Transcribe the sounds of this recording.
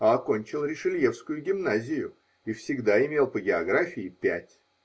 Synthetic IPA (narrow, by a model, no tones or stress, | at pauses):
ɐɐko̞nʲt͡ɕɪlˠɾʲɪʂɨlʲje̞fskʊjʊɡʲɪmnazʲɪjʊ | ifsʲɪɡd̪aɪmʲe̞lˠpəɡʲɪɐɡɾafʲɪɪpʲætʲ